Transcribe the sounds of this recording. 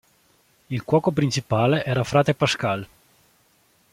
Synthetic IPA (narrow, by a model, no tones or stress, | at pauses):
ilkwɔːkopɾint͡ʃipaːleʔɛːɾafɾaːt̪epaskal